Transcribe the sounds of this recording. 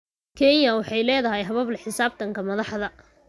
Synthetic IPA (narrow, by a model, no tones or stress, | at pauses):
kʰɛnjɐwɑħɑjlɛːðɐɦɛjɦɐβɐblɐħɪsaːb̚t̪ʰɐŋkʰɐmɐðɑħðɐ